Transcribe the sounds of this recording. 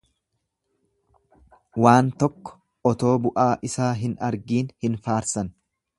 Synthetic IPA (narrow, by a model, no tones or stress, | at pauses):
waːnt̪ɔkːɔ̥ | ʔɔt̪o̞ːbʊʔaːʔɪsaːɦɪnɐ̰ɾɡiːnhɪnfaːɾsɐn